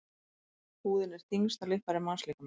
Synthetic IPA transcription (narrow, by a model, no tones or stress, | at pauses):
huːðɪnɛɾ̥θiŋst̪alɪhpaɾɪmanslɪhkʏm